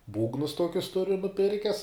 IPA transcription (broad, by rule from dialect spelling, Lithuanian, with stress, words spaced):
ˈbuːɡnʊs ˈtoːkʲʊs ˈtʊrʲʊ nʊˈpʲɪrʲkʲɛs